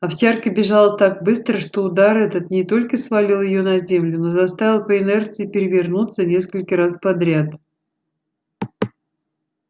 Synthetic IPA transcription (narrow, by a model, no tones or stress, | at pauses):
ɐptʲarkəbʲɪʐalˠət̪ak̚bɨst̪ɾəʂt̪o̞ʊd̪aɾɛt̪ət̪nʲɪt̪o̞lʲkəsvɐlʲilˠjɪjonɐzʲe̞mlʲʊno̞zɐst̪avʲɪlˠpəɪnɛrt̪sɨɪpʲɪɾʲɪvʲɪrnut̪sənʲe̞skəlʲkəɾaspɐd̪ɾʲat̪